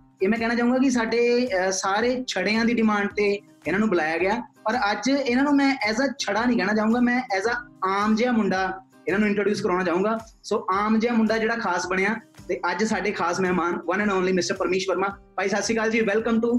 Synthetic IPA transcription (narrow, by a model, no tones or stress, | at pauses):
eːmɛ̃ːkɛːɽ̃aːt͡ʃaːũːɡaːkɪs̬aːɖeːsaːɾeːt͡ʃʰəɽeːãːd̪iːɖɪmãːɳɖ̚t̪eː | ɪnãːnũːbəlaːjaːɡɪjaːpəɾəd͡ʒɪnãːnũːmɛ̃ːʔɛːsaːt͡ʃʰəɽaːnĩːkɛːɽ̃aːt͡ʃaːũːɡaːmɛ̃ːʔɛːzaːaːmd͡ʒeːaːmʊɳɖaː | ɪnãːnũːɪ̃ɳʈɾoːɖjuːskəɾaːɽaːt͡ʃaːũːŋɡaː | soːʔaːmd͡ʒeːaːmʊɳɖaːd͡ʒeːɽaːkʰaːsbəɽ̃eːaːt̪eːʔəd͡ʒsaːɖeːkʰaːsmɛːmaːnʋənɛ̃nɔːnliːmɪsʈəɾpəɾmiːʃʋəɾmãːpaːiːsət̪siːkaːld͡ʒiːʋɛlkəmʈ̪ũː